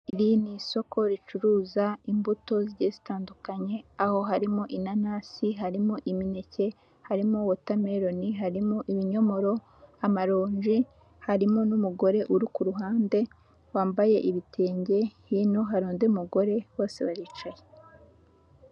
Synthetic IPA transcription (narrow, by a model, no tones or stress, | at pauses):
iɾiniso̞kʰo̞ɾit͡ʃuɾuːzaimbuto̞ziɾɟezitaːndukaɲe̞aho̞ɦaɾimoʔinanaːsiɦaɾimoʔimine̞ce̞ | haɾimowotame̞ɾo̞niɦaɾimoʔiβiɲo̞mo̞ɾo̞ | amaɾoːɲʒi | haɾimonumuɡo̞ɾe̞ʔuɾukuɾuɦaːnde̞ | waːmbaje̞ʔiβitʰe̞ːɲɟe̞hino̞ɦaɾoːndeumuɡo̞ɾe̞wo̞ːse̞βaɾiːt͡ʃaje